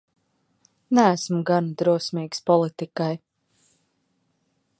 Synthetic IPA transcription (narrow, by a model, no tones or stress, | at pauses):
næːsmuɡand̪ɾuɔsmʲiːkspɔlˠit̪ikaj